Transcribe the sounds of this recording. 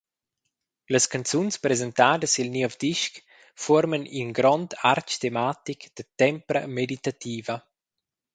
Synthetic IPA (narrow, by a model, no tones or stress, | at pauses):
ləskant͡sunspɾezent̪aːdəsilnivd̪iʃk | fɔɾməninɡɾɔnd̪aɾt͡ʃt̪emat̪ikd̪̥ət̪ɛmpɾə̰medit̪at̪iːvɐ